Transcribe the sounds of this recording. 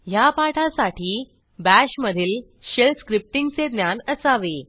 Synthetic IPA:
japaʈʰasaʈiː | bæɕməd̪ʱiːl | ɕelskɾip̚ʈiŋɡt͡sed̪njanəsaʋe

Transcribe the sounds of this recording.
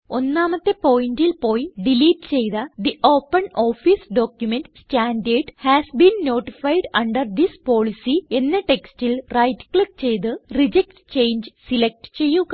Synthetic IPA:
o̞nːaːmɐt̪ːepo̞ːjindilpo̞ːjɖiliːʈt͡ɕe̞jðɐd̪iʔo̞ːpːɐnoːfisɖoːkjumenʈsʈaːnɖeːɖhæːsbiːnːo̞ːʈifɐjɖɐɳɖɐrd̪ispo̞ːɭisie̞nːeʈe̞kstilrɐjtklik̚t͡ɕe̞jt̪̬ɨrid͡ʑek̚ʈt͡ɕe̞jnd͡ʑsilek̚ʈt͡ɕe̞jːu

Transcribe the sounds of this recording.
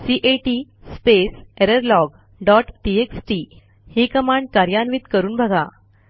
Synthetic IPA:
siʔeʈispeseɾəɾlɔɡ | ɖɔʈʈieksʈi | hiːkəmãɳɖ̚kaɾjanʋit̪kəɾuːnbʱəɡʱa

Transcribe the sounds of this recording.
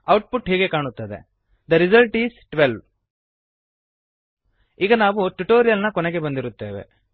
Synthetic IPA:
ɐwʈ̚puʈɦiːɡe̞kaːɳut̪ːɐd̪ḛ | d̪ɐɾizɐlʈiːsʈʋelʋ | iːɡɐnaːʋuʈuʈoːɾijɐlnɐkɔneɡe̞bɐnd̪iɾut̪ːe̞ːʋe̞̰

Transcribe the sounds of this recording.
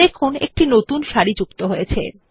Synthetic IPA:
ekʰunḛk̚ʈinot̪unʃaɾid͡ʑukt̪oɦojet͡ɕʰḛ

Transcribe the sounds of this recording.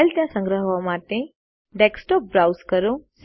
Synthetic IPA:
lt̪jãsə̃ŋɡɾəɦʋamaʈe | ɖeksʈɔp̚bɾawskəɾõs

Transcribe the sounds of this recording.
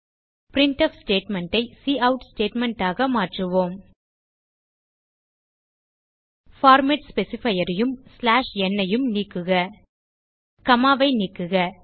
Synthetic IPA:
pɾɪɳʈɐfsʈeːʈmɛɳʈɐɪsiːʔɐʊʈsʈeːʈmɛɳʈaːɣɐmaːʈrɯʋoːm | faːɾmeʈspɛsɪfɐjɐɾɐjɯmslaːʂɛnːɐjɯmniːkːɯɣɐ | kɐmaːʋɐɪniːkːɯɣɐ

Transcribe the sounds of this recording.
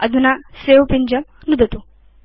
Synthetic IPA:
əd̪ʱunasewpiɲd͡ʑəmnud̪ʱət̪u

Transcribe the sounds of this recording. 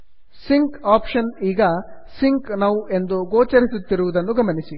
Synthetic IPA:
siŋkaːpʃɐniːɡɐ | siŋknaːʋuʔe̞nd̪uɡoːt͡ʃɐɾisut̪ːiɾuʋud̪ɐnːuɡɐmɐnisi

